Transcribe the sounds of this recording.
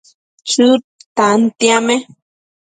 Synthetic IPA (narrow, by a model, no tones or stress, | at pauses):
t͡ʃu | t̪ant̪jame